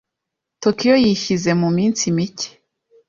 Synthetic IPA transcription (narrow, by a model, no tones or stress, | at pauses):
tokijojiʃize̞mumiːnsimice̥